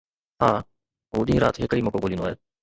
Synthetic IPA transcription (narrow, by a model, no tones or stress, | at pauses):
ɦaː | ɦoːɗ̪ĩːɾa̰ːt̪ɦekəiːmɔkoɡoːlĩːnoaːɦeː